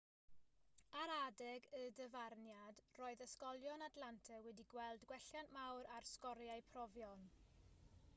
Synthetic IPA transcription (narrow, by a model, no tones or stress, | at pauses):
aɾadɛɡədəvarnjad̥roːɨðəskɔlˠjɔnadlˠantʰɛwɛdiɡwɛlˠdɡwɛɬjanʔmawɾarskɔɾjajpʰrɔvjɔn